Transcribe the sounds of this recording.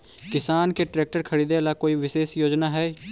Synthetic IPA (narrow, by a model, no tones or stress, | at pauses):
kɪsaːnkeʈɾeːk̚ʈəɾkʰəɽiːd̪elakoːiʋɪʃeːsjoːd͡ʒnaɦɛː